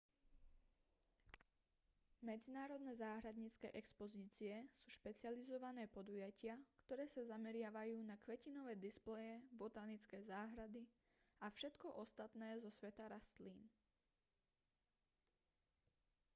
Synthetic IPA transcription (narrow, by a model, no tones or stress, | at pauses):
mɛd͡zinaːɾɔd̪nɛːzaːɦɾad̪ɲit͡skɛ̰ːʔɛkspɔziːt͡siɛsuːʃpɛt͡sɪalizɔʋanɛːpɔd̪ujacɪakt̪ɔɾɛːsazamɛɾɪaʋajuːnakʋɛcinɔʋɛːd̪isplɛjɛbɔt̪aːnit͡skɛːzaːɦɾad̪i | afʃɛt̪kɔʔɔst̪at̪nɛːzɔsʋɛt̪aɾast̪liːn